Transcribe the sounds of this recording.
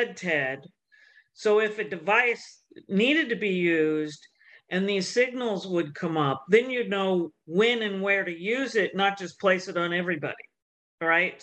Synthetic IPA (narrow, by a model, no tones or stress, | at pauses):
ɛd̚tʰɛd̥ | soʊɪfɨdɨvaɪs | niɾɨd̚tɨbijʉzd | ʔɨ̃nðiz̥sɪɡ̚nl̩ˠzwəd̚kʰʌ̃mʌp̚ðɨ̃njɨdⁿnoʊwɪ̃nɨ̃nwə˞ɾɨjʉzɪtⁿnət̚d̥ʒ̥ʌspʰl̥eɪsɨɾn̩ɛvɹibɑ̰ɾḭ | ɹaɪt̚